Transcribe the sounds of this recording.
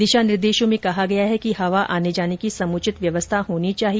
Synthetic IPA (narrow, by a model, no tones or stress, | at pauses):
d̪ɪʃanɪɾd̪eːʃõmẽkɐɦaɡɐjaɦɛkiɦɐʋaʔaːned͡ʒaːnekisɐmuːt͡ʃɪt̪ʋjɐʋəst̪ʰaɦoːnit͡ʃaːɦi